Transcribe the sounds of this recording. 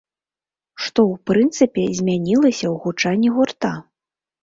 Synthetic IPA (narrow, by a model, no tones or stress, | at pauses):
ʂt̪ɔwpɾɨnt̪sɨpʲɛzʲmʲanʲilˠɐsʲɐwɣut͡ʂanʲːiɣurt̪a